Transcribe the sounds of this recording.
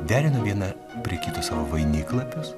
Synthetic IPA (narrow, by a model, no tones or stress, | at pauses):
d̪ʲæːɾʲɪnɐʋʲiɛnɐ | pʲɾʲiɛkʲiːt̪ʊssɑːʋoːʋɐɪnʲiːklˠɐpʲʊs